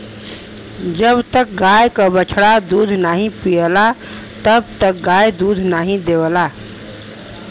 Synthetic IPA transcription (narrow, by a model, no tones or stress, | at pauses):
d͡ʒəbt̪ək̚ɡajkəbət͡ʃʰɽad̪ud̪ʱnaɦĩpijəla | t̪əbt̪ək̚ɡajd̪ud̪ʱnaɦĩd̪ewəla